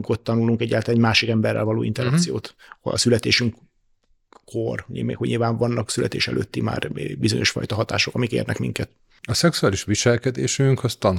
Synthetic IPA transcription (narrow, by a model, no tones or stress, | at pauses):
kot̪ːɒnuluŋkɛɟːaːlt̪laɛɟmaːʃikɛmbɛrːɛ̰lvɒloːḭnt̪ɛɾɒk̪sijoːt̪oɒ̰sylɛt̪eːʃyŋk | kːorimḛːkhoɲilvaːɱvɒnːɒksylʔɛt̪eːʃɛ̰lʔøːt̪ːima̰ːrbizo̞ɲʔo̞ʃfɒ̰jt̪ɒɦɒt̪a̰ːʃo̞kɒmikḛːrnɛkmḭŋkɛt̪ | ɒsɛksuaːliʃʋiʃɛlkɛd̪eːʃyŋkʰɒst̪ɒn